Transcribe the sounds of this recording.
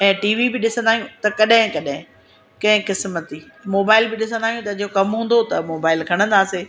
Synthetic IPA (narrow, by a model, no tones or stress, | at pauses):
ɛ̃ːʈiːʋibɪɗɪsə̃nd̪aːɦijũt̪ɐkɐɗɦɪ̃kɐɗɪ̃ | kɐ̃ɦɪ̃kɪsmət̪i | moːbaːɪlbɪɗɪsə̃nd̪aːɦijũt̪ɐd͡ʑokɐmɦũːn̆d̪ot̪ɐmoːbaːɪlkʰɐɽ̃ə̃nd̪aːseː